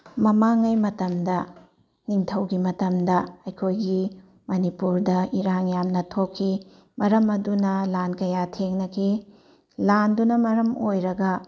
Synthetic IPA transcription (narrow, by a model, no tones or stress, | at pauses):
mɐmaŋɐjmɐtɐmdɐ | niŋtʰɐwɡimɐtɐmdɐɐjkʰojɡi | mɐnipuɾdɐiɾaŋjamnɐtʰokʰːi | mɐɾɐmɐdunɐlankɐjatʰeŋnɐkʰi | landunɐmɐɾɐmojɾɐɡɐ